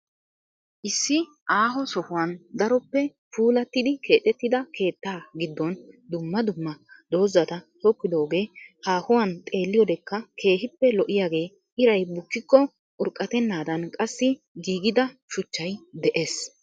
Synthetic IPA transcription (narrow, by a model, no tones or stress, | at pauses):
ʔɪsːɪ | ʔaːɦɔsɔhʊwɐnd̪ɐɾɔpːɛ | fuːlɐt̪ːɪd̪ɪkʰe̞ːt̪ʼɛt̪ːɪd̪ɐkʰe̞ːt̪ːaːɡɪd̪ːɔnd̪ʊmːɐd̪ʊmːɐd̪o̞ːzɐt̪ɐt̪ɔkːɪd̪o̞ːɡe̞ːhaːhʊwɐnt̪ʼe̞ːlːɪjɔd̪ɛkːɐkʰe̞ːɦɪpːɛlɔʔɪjaːɡe̞ː | ʔɪɾɐjbʊkːɪkːɔ | ʔʊɾkʼːɐt̪ɛnːaːd̪ɐnkʼɐsːɪ | ɡiːɡɪd̪ɐʃʊt͡ʃːɐjd̪ɛʔeːs